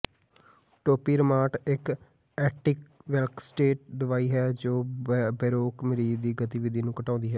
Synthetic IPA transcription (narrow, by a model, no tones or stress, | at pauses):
ʈoːpiːɾəmaːʈɪk | ɛːʈɪkʋɛlksʈeːʈ̚ɖɪʋaːiːɦɛːd͡ʒoːbɛːɾoːkmɪɾiːd̪iːɡət̪iːʋɪd̪iːnũːkəʈãːnd̪iːɦɛː